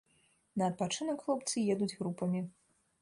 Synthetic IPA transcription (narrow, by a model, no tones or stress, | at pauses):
nɐːt̪̚pat͡ʂɨnɐkxlˠɔpt̪sɨjɛd̪ud͡zʲɣɾupɐmʲi